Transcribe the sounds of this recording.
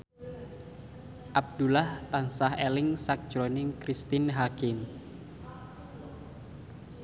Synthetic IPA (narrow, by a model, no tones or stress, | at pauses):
ʔab̚d̪ulaht̪ansahelɪŋsak̚d͡ʒ̥ɾonɪŋkɾist̪ɪnɦakɪm